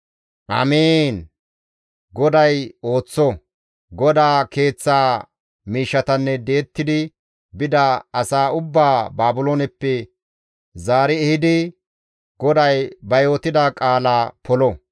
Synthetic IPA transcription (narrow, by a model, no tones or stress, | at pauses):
ʔɐ̰meːn | ɡɔd̪ɐjo̞ːt͡sːɔ | ɡɔd̪aːke̞ːt͡sːaː | miːʃːɐt̪ɐnːɛd̪e̞ːt̪ːɪd̪ɪ | bɪd̪ɐɐsaːʊbːaːbaːbʊloːnɛpːɛ | zaːɾɪɛhɪd̪ɪ | ɡɔd̪ɐjbɐjoːt̪ɪd̪aːkʼaːlaːpʰɔlɔ